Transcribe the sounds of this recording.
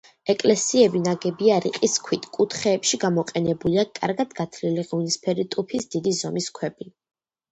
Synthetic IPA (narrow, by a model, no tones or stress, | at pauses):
ɛkʼlɛsiɛbinaɡɛbiaɾiqʼiskʰwit̪ʰkʼut̪ʰχɛːpʃiɡamɔqʼɛnɛbuliakʼa̰ɾɡad̪ɡat̪ʰliliʁunispʰɛɾit̪ʼupʰisd̪̥id̪izɔmiskʰwɛbi